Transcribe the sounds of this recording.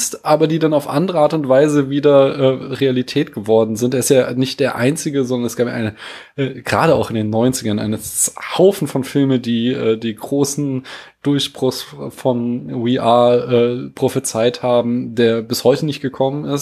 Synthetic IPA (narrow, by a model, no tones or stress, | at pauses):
stʔaːbɐdiːdanaʊfʔa̰ndəʁəʔaːɐtʊntv̥aɪzəviːdɐʔɛːʁealitʰɛːtɡ̥əvɔɐdn̩zɪnteːɪstjaːnɪçt̚d̥eːɐʔaɪnt͡sɪɡəzɔndɐnɛsɡ̥aːpja̰ʔa̰ɪnəʔɛːɡ̥ʁaːɾəa̰ʊxɪndeːnːɔʏnt͡sɪɡɐnʔa̰ɪnəhaʊfn̩fɔnfɪlməndiːʔɛːdiːɡʁoːsn̩d̥ʊɐçb̥ʁʊsfɔnwiʔaːʔɛːpʁ̥ofət͡saɪthaːbm̩deːɐbɪshɔʏtənɪçt̚ɡ̥əkʰɔmənɪs